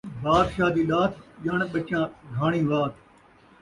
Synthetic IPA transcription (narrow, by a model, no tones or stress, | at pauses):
baːɾʃaːd̪iːɗaːt̪ʰʄaːɳ̃ɓət͡ʃãːɡʱaːɽ̃ĩːʋaːt̪ʰ